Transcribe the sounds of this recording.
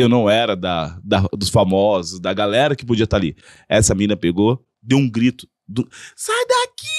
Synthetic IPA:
ewnɐ̃w̃ɛɾɐd̪ɐd̪ɐd̪ʊsfamɔzʊsd̪ɐɡalɛɾɐkɪpod͡ʒiɐt̪aɾalḭ | ɛsɐmĩnɐpeɡo | d̪ewũɡɾit̪ʊ̥ | d̪ʊsajd̪aki

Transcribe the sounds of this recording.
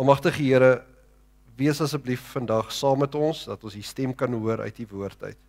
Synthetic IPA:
ɑlˠmɐχtəχəiəɾə | viəsɐsək̚bliffəndɐχsɑːmːɛtɔnsdɐtɔnsistɛmkɐnɦuəɾʔœ̰ɥt̚divuərtə̰ɥt

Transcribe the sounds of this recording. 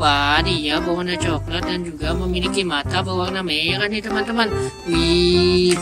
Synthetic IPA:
anijabawanat͡ʃɔklət̪̚dand͡ʒuɡaməmilikimat̪abawanamejakandit̪əmant̪əman | wi

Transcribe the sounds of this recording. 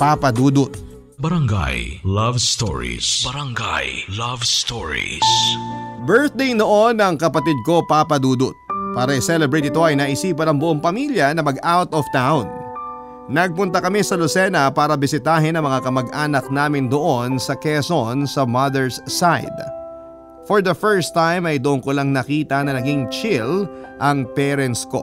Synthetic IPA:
papɐd̪uːd̪ʊt̪̚ | bɐɾɐŋɡa̰jlɐvst̪o̰ɹḭsbɐɾɐŋɡa̰jlɐvst̪oɹḭs | bɛɹθ̚d̪ejnoʔo̞nɐŋkɐpɐt̪id̪̚ko̞papɐd̪uːd̪ʊt̪̚paːɾɐʔɪsɛlɛbɹejt̪̚ɪt̪o̞ɐjnɐʔɪsiːpɐnɐŋbʊʔoŋpɐmiljɐnɐmɐɡʔawt̪ɔft̪awnː | ɐɡ̚pʊnt̪ɐkɐmisɐlosɛnɐpaːɾɐbɪsɪt̪aːɦɪnɐŋmɐŋakɐmɐɡʔaːnɐk̚naːmɪnd̪oʔo̞nsɐkɛsonsɐmɐðɛɹsːajd̪ | foɹd̪ɐfɛɹst̪ajmɐjd̪oʔoŋkolaŋnɐkiːt̪ɐnɐnɐɡiŋt͡ʃɪlʔɐŋpɛːɾɛnsko̞̰

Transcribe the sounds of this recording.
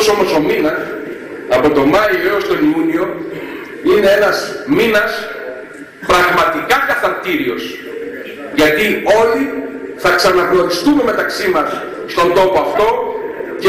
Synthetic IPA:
so̞mo̞so̞minɐs | ɐpo̞t̪o̞mɐioeost̪o̞niunio̞ | ine̞enɐsminɐs | pɾɐɣmɐt̪ikɐkɐθɐɾt̪iɾio̞s | ʝɐt̪io̞liθɐksɐnɐɣno̞ɾist̪ume̞me̞t̪ɐksimɐsː | t̪o̞nd̪o̞poɐft̪o̞c

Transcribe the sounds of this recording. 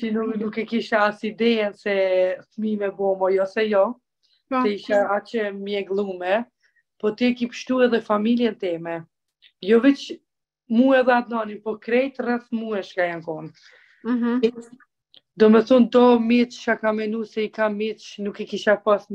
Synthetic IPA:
t͡ʃinunukɛkiʃaasid̪ɛjɛnsɛθmimɛbɔmajɔsɛjɔ | ɛiʃaat͡ʃɛmjɛɡlˠumɛ | pɔt̪iɛkipə̥ʃt̪uɛðɛfamiljɛnt̪ɛmɛ | jɔvit͡ʃ | muɛðɛad̪nɔnipɔkɾɛjt̪ərɛθmuɛʃkajankɔn | d̪ɔmɛθɔnd̪ɔmitʃakamɛnusɛikamitnukɛkiʃapas

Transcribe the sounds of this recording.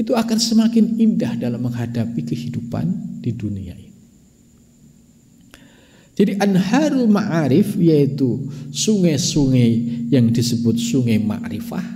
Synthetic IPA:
it̪uakansəmakɪnindahdalamːəŋɦadapikəhidupa̰nd̥idunia̰ini | d͡ʒadiʔanhaɾumaʔaɾɪfjait̪usuŋajsuŋajjaŋdisəbʊt̪̚suŋajma̰ʔɾifa̰h

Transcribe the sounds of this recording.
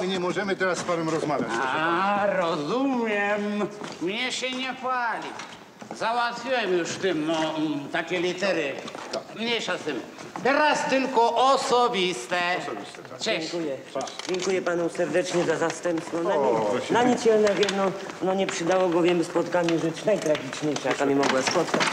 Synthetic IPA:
ɲɛmɔʒɛmɨt̪ɛɾaspavɛmɾɔzmavʲja̰arɔzumjɛmmɲeʃɛɲɛpalʲi | zawat̪sʲjɔjmuʃt̪ɪmɔt̪akʲɛlit̪ɛɾɪmɲɛjʃasɪmt̪ɛɾast̪ɪlkɔʔɔsobist̪ɐbist̪ɐ | t͡ʃɛŋkujɛad͡ʒẽŋkujɛpanusɛɾd̪ɛt͡ʃɲɛzazast̪ɛ̃mpsnɔ̃naɲinaɲit͡ʃɛlnɛvjɛmnɔnɔɲɛpʂɨd̪awɔɡɔvjɛmspɔt̪kaɲɛʒɛt̪nãj̃t̪ɾaɡit͡ʃɲejʃakamimɔɡwaspɔt̪ka

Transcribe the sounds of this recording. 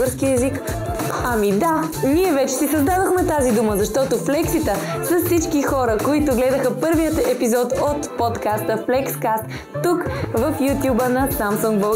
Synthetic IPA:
əɾskiəɛzik | ɐmid̪a | niɛvɛt͡ʃɛsisɐzd̪ad̪oxmɛt̪azid̪uməzɐʃt̪ɔt̪oflɛksit̪əsɐssit͡ʃkixɔɾəkoit̪ʊɡlɛd̪əxəpɤɾvijət̪ɛpizɔt̪ot̪pot̪kast̪əflɛkskast̪ː | ukvəfjut̪ʲjubənɐsamsuŋɡbə

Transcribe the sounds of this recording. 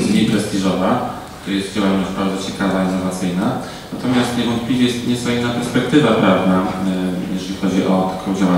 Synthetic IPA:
ɲipɾɛst̪iʐɔva | t̪ajɛst̪d͡ʑawaɔnɔɕbaɾd̪zɔt͡ɕɛkavaiɛvat̪sɘjna | nat̪ɔmʲjast̪ɲɛvɔnt̪̚plʲivʲjɛjɛst̪ɲɛsajɛmnapɛɾspɛkt̪ɘvapɾavnajɛʐɛlʲixɔd͡ʑiʔɔt̪ḁkʰɔ̃d͡ʑawa

